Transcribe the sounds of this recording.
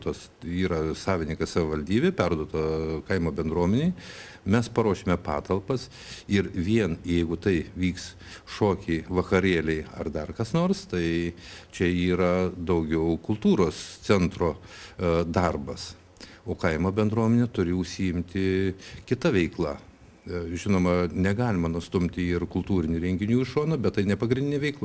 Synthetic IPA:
t̪oːs | iːɾɐsɑːʋʲɪnʲɪŋkɐssɐʋʲɪʋɐlʲd̪ʲiːbʲeːpʲɛrd̪uɔt̪ɐkɐɪmoːbʲɛnd̪ɾuɔmʲɛnʲeɪ | mʲɛspɐɾoːʃʲemʲɛpɑːt̪ɐlˠpɐs | ɪɾʋʲiɛnjɛɪɡʊt̪ɐɪʋʲiːks | ʃoːkʲɛɪʋɐkɐɾʲeːlʲɛɪɐ̰rd̪ɐrkɐsnoːrst̪ɐɪ | t͡ʃʲɛiːɾɐd̪ɐʊɡʲɛʊkʊlˠt̪uːɾoːst͡s̪ʲɛnt̪ɾoː | d̪ɐrbɐs | oːkɐɪmoːbʲɛnd̪ɾuɔmʲɛnʲɛt̪ʊɾʲɪʊʃʲsʲiɪmʲt̪ʲɪkʲɪt̪ɐʋʲɛɪklˠɐ | ʒʲɪnoːmɐnʲɛɡɑːlʲɪmɐnʊst̪ʊmʲt̪ʲɪɪrkʊlˠt̪uːɾʲɪnʲuɾʲɛŋʲɡʲɪnʲuːɪʃoːnɐbʲɛt̪tːɐɪnʲɛpɐɡɾʲɪndʲɪnʲɛʋʲɛɪklˠɐ

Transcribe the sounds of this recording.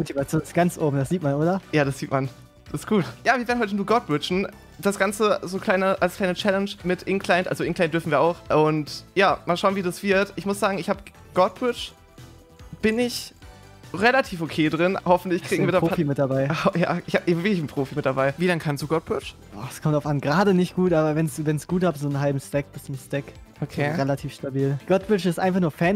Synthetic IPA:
motivat͡sjoːnɪsɡ̥ant͡sʔoːbm̩dasz̥iːtmanʔoːɾɐjaːɾasz̥iːtman | d̥asɪstɡ̥uːtjaːviːɐeːnhɔt̬ənuːɐɡɔt̚b̥ʁɪt͡ʃn̩ | d̥asɡ̥ant͡səzoːkʰl̥aɪnəʔalskʰl̥aɪnət͡ʃɛlɛnʃmɪtʔɪnkʰl̥aɪntʔa̰lzoɪŋklaɪntd̥ʏɐfn̩viːɐʔaʊxʔʊntjaːmaːlʃaʊnviːdasv̥ɪɐtʔɪçmʊsz̥aːɡŋ̩ɪçhaːbə | ɡ̥ɔt̚b̥ʁɪt͡ʃ | b̥ɪnɪç | ʁelatʰiːfokʰeːdʁɪnhɔfn̩tlɪçkʁ̥iːɡŋ̩viːɐdɛɐfimɪt̚d̥abaɪhja̰ːʔɪçhaːbvɪkɪçn̩pʁ̥oːfimɪt̚d̥abaɪviːlaŋkʰanstd̥uːɡɔt̚b̥ʁɪt͡ʃ | ɔ̰ːχskʰɔmtaʊfʔanɡʁaːdənɪçtɡ̥uːtʔaːbɐvɛnsd̥uːvɛnsɡ̥uːthaːbzoːnɦalbm̩stɛk̚b̥ɪst͡sʊmstɛkʔokʰeːʁelatʰiːfʃtabiːlɡ̥ɔt̚b̥ʁɪt͡ʃɪstʔa̰ɪnfaχnuːɐfɛːn

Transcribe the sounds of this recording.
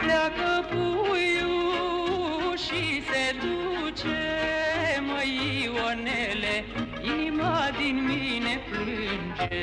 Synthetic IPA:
plakəpuju | ʃised̪ut͡ɕe | məjiwonele | inimad̪inminepɾɨnd͡ʑe

